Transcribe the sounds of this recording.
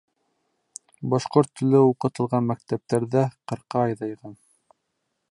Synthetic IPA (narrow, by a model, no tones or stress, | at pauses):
bɑʃqoɾt̪ʰːɵ̆lɘuqɤ̆t̪ɤ̆lˠʁɑnmæk̚t̪æp̚t̪æɾðæqɤ̆ɾqɑːjðɑjʁɑn